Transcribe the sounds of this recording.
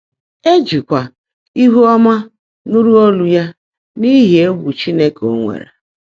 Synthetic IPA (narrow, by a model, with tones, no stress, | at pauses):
e˦d͡ʒi˨kʷa˨ | i˦ɦu˦ɔ˦ma˦ | nu˦ɾu˦ɔ˦lu˦ja˦ | ni˦ɦi˨e˦wu˨t͡ʃi˦ne˦ko˦ŋʷḛ˨ɾḛ˨